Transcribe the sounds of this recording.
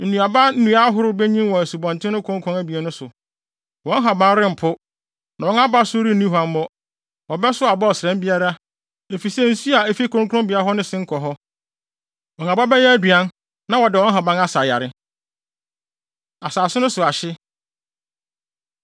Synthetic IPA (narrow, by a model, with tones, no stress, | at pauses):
n̩˨nũ˨a˨ba˦n̩˦nũ˨a˦ɦʊ˦ɾʊ˦bɛ˦ɲĩ˦mwɔ̃˨æ˨su˨bɔ̃˨n˨tʰɪ̃˦nʊ̃˦kʰɔ̃˦ŋkʰɾɔ̃˦ŋæ˦bi˨ɛ˨˦nʊ̃˦sʊ˨ | wɔ̃˨˦n˦ɦa˨bã˦n˦ɾɪ̃˦m̩˨pʰʊ˦ | nã˨wɔ˦na˦ba˦sʊ˦ɾi˦nĩ˦ɦã˨m˦mɔ˦ | wɔ˨bɛ˦sʊ˦a˨bɔ˦ɔ˨sɛ̃˦mbi˦a˦ɾa˦ | e˨fi˨sɛ˦n̩˦su˦a˨e˨fi˦kʰɔ̃˦ŋkʰɔ̃˦m˦bi˨˦a˨˦ɦɔ˦nɪ̃˦sɪ̃˦ŋ̩˦kʰɔ˨ɦɔ˦ | ɔ˨n˨ã˨ba˦bɛ˦jɛ˦æ˦dɥã˦n | nã˦wɔ˨dɪ˨wɔ̃˦n˦ɦa˨bã˦ŋa˦sa˨ja̰˨ɾɪ˦ | a˨saː˨sʊ˦nʊ̃˦sʊ˨a˨ɕɪ˦